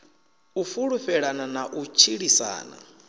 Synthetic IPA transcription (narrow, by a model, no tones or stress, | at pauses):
ufuɺuɸɛɺananaʔut͡ʃʰiɺisa̰ːna̰